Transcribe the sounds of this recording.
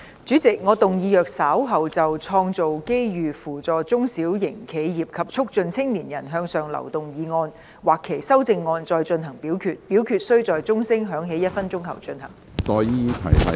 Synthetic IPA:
t͡ʃyː˨˥t͡sɪ˨k̚ŋɔː˨˧t̪ʊ˨ŋjiː˨˧jœː˨k̚saː˨˥wɦɐ˨wt͡sɐ˨wt͡sʰɔː˧ŋt͡so˨wke˥jjyː˨fuː˨˩t͡sɔː˨˧t͡sʊ˥ŋsiː˨˥wjɪ˨˩ŋkʰe˨˧jjiː˨p̚kʰɐ˨p̚t͡sʰʊ˥k̚t͡sɵ˧nt͡sʰɪ˥ŋliː˨˩njɐ˨˩nɦœː˧ŋsœː˨ŋlɐ̰˨˩wt̪ʊ˨ŋjiː˨˧ŋɔː˧n | waː˨˩kʰːe˨˩jsɐ˥wt͡sɪ˧ŋːɔː˧nt͡sɔː˧jt͡sɵ˧nɦɐ˨˩ŋpiː˨˥wkʰyː˧t̚pi˨˥wkʰyː˨˧t̚sɵ˥ɥt͡sɔː˨jt͡sʊ˥ŋsɪ˥ŋɦœː˨˥ŋɦe˨˥jɐ˥t̚fɐ˥nt͡sʊ˥ŋhɐ˨˩wt͡ʃɵ˧nhɐ̰˨˩ŋ | t̪ɔː˨jiː˥i˧t̪ʰɐ̰˨˩jɐ˨

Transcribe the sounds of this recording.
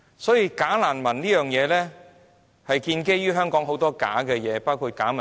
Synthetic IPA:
sɔː˨˥jiː˧kaː˨˥laː˨˩nmɐ˨˩nniː˥jœː˨ŋjɛː˨˧lɛː˥ | hɐ˨jkiː˧nke˥jyː˥ɦœː˥ŋkɔː˨˥ŋɦo˨˧˥wt̪ɔː˥ka̰ː˨˥kɛ˧jɛː˨˧paː˥wkʰuː˧t̚kaː˨˥mɐ˨

